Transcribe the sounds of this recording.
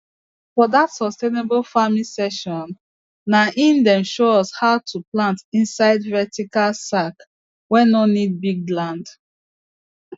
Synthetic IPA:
fɔdatsɔstenebolfamĩsɛʃɔ̃nː | aʔĩndɛ̃mʃoɔshaʊtʰuplãntĩnsaɪdvɛtikalsak | wɛ̃nɔnid̚biɡ̚lãnd

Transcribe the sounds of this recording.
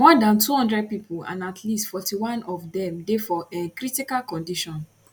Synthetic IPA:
mɔdãntuhɔ̃ndɹɛd̚pipʰulã̰natʰlistfɔtiwãnɔvdɛ̃mdefɔekɹitikalkɔ̃ndiʃɔ̃n

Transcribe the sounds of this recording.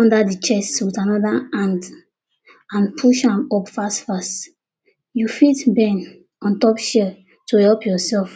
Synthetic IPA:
ɔ̃ndadit͡ʃɛswitanɔdaãnd | ãnpʰuʃãmɔpfastfast | jufitbɛ̃n | ɔ̃ntɔpʃɛ | tuhɛlpjɔsɛlf

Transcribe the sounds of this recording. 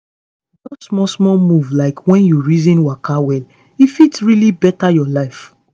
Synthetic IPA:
nɔsmɔsmɔmuvlaɪkʰwɛ̃njuɹizĩnwakʰawɛl | ifitsɹilibɛtajɔlaɪf

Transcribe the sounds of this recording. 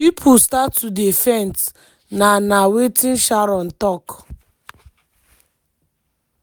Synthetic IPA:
pipʰʊstaudefɛnt | nanawetɪn̩ʃaɾɔn̩tɔk

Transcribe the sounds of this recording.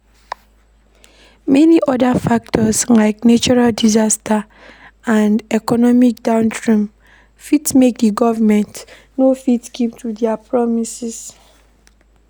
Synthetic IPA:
mɛniʔɔdafak̚tʰɔslaɪknet͡ʃɔɹaldizastʰa | ãndɛkɔnɔmik̚d̥ãʊ̃ndɹĩm | fitmek̚diɡɔvamɛ̃nt | nofitɡiptʰudiapʰɹɔmisis

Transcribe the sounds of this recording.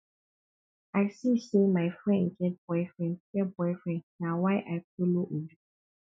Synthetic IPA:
aɪsisemaɪfɹɛ̃ndɡɛt̚b̥ɔɪfɹɛ̃ndɡ̥ɛt̚bɔɪfɹɛ̃ndnawaɪʔaɪfoloʔodu

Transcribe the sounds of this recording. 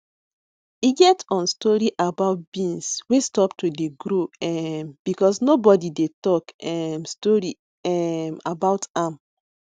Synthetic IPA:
iɡɛtɔ̃nstɔɹiʔabaʊt̚b̥ĩnswestɔptudeɡɾoɛmb̥ikɔsnobɔdidetɔkɛmstɔɹi | ɛmabaʊtãm

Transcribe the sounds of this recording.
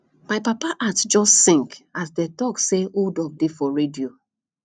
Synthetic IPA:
maɪpapaʔatd͡ʒɔstsĩŋkasdɛtɔkseoldɔb̚defɔɹedio

